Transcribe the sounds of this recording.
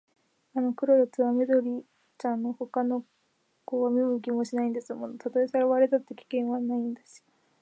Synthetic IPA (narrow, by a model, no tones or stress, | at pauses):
ano̞kɯ̟ɾoɾat͡sɨβame̞d̪o̞ɾʲi | t͡ɕãnːoho̞kano̞ | koβamʲimɯ̟kʲimo̞ɕinaĩnd̪e̞sɨmonot̪at̪oesaɾaβaɾed̪at̪ːe̞kʲi̥kẽ̞ɰ̃βanaĩnd̪esi̥